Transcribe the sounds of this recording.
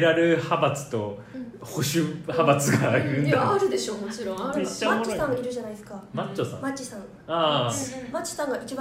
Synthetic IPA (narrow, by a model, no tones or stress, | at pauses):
ɾaɾɯ̟habat͡sɨ̥t̪o̞ | ho̞ɕɨhabat͡sɨɡaɯ̃nd̪aɾɯ̟d̪eɕoːmoiɾõet͡ɕːmat͡ɕːosãiɾɯ̟ʑanaisɨ̥kamat͡ɕːosã̰mat͡ɕːisãŋ | amat͡ɕːo̥sãŋɡait͡ɕibã